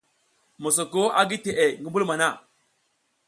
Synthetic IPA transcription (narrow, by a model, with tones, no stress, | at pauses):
mo˨s̬o˨ko˦a˦ɡi˦te˨ʔe˨ŋɡi˦mbu˦lma˨na˦˨